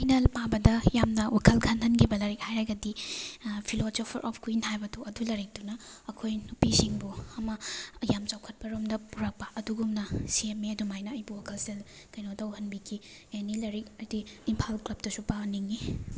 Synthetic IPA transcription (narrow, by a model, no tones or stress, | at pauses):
pʰajnɐlpabɐdɐjamnɐwʔakʰɐlkʰɐnhɐnkʰibɐlɐɾik̚hajɾajɡɐdi | pʰilosopʰɐɾʔɔ̰pʰkuinhajbɐtɐwɐdulɐɾik̚dunɐɐkʰojnupisiŋbuɐmɐjamt͡ʃawkʰɐt̚pɐɾomdɐpuɾɐk̚pɐʔɐduɡumnɐsiemːeɐdumajnɐɐjbuwakʰɐlsel | kɐjnotɐwhɐnbikʰi | anilɐɾik̚ɐdiːmpʰalklɐp̚tɐsupaniŋːi